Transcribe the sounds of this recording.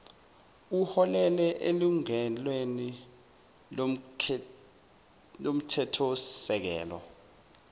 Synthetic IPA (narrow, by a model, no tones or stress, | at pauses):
uhɔlɛlɛʔeluŋɛlweni | lom̩tʰɛtʰɔsɛk̬ɛ̰ːlɔ̰